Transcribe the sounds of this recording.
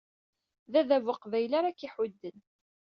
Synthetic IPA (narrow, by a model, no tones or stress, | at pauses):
ðæðævəqvæjlaɾækːiħʊd̪ːən